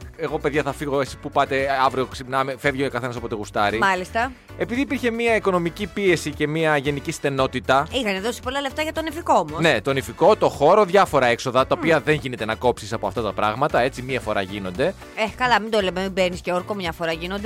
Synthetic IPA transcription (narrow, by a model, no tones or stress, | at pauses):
e̞ɣo̞pe̞ðʝɐθɐfiɣoesi̥pupɐt̪e̞ɐvɾio̞ksipnɐmefe̞vʝeokɐθe̞nɐs̬opot̪eɣust̪ɐɾimɐlist̪ɐ | e̞piðiːpiɾçe̞miɐiko̞no̞micipie̞sice̞miɐʝe̞nicist̪e̞no̞t̪it̪ɐixɐneðo̞si̥polɐle̞ft̪ɐʝɐt̪o̞nifiko̞omosnne̞t̪o̞nifiko̞t̪o̞xo̞ɾo̞ðʝɐfo̞ɾɐe̞kso̞ðɐt̪ɐopiɐðe̞nʝine̞t̪e̞nɐko̞psisɐpo̞ɐft̪ɐt̪ɐpɾɐ̰ɣmɐt̪ɐe̞t͡simiɐfo̞ɾɐ̰ʝino̞nd̪e̞ | ekɐlɐmind̪o̞lememibeɾnisceoɾkomɲɐfo̞ɾɐʝino̞nd̪e